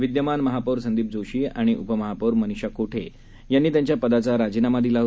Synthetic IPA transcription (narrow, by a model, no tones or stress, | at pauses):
ʋid̪jəmanməɦapəɾsənd̪iːp̚d͡zoɕiːa̰ɽ̃iʔupəməɦapəɾməniɕakoʈʰe | janːiːt̪jaɲt͡ɕjapəd̪at͡saɾad͡ʑiːnamad̪ilaɦ